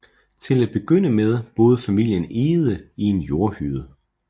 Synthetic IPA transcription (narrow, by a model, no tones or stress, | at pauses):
t͡sʰe̝læd̥̚b̥e̝ɡ̥øn̰əmeð̞ˠb̥o̝ːð̞ˠfæmil̰jəne̝ːð̞̩ˠəie̝njo̝ɐhyðˠə